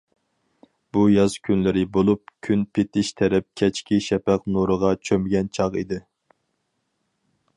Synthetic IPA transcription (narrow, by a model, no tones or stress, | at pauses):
bujɑzkʲʰynlɪɾɪbolˠup̚kʲʰynpʰɪt̪ʰɪʃt̪ʰɛɾɛp̚kʲʰɛt͡ʃkʲʰiʃɛpæqnuɾəʁɑt͡ʃʰømɪɡʲɛnt͡ʃʰɑʁḭd̪ɪ